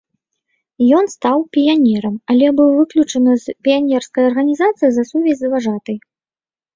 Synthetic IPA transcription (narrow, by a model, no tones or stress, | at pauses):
jɔnst̪awpʲijanʲɛɾɐmɐlʲɛbɨwvɨklʲut͡ʂɐnɨzpʲijanʲɛrskɐjɐrɣɐnʲizat̪sɨjizɐsuvʲɛzʲɨvaʐat̪ɨj